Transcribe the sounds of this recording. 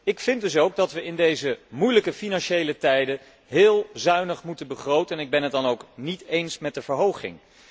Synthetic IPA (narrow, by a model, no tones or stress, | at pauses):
ɪkfɪndɵsowɡ̚dɑtʋəɪndejzəmujləkəfinɑnʃejlətɛjdə | ɦɪːlˠzœɥnəχmutənbəχrowtənɪɡ̚bɛnɦət̚dɑnowknitejnsmɛt̚dəvəɹɦowχɪ̰ŋ